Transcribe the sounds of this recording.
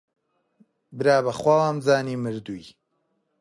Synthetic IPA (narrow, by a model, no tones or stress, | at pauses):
bɨɾaːbɐχwalaːmzaːniːmɨɾd̪uj